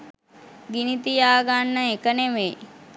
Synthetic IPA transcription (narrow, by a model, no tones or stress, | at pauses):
ɡinit̪ijaːɡanːəekəneʋe